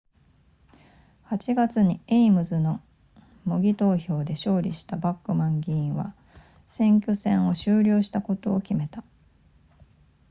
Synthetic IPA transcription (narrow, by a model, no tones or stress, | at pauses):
hat͡ɕiɡat͡sɨɲ̟ieimɯ̟zɨno̞ | moɡʲit̪o̞ːço̞ːd̪e̞ɕo̞ːɾʲḭɕi̥t̪abakːɯ̟mãŋɡʲiĩɰ̃βa̰ | sẽ̞ŋk̬ʲosẽ̞ɰ̃o̞ɕɨːɾʲo̞ːɕi̥t̪ako̞t̪o̞ːkʲime̞t̪a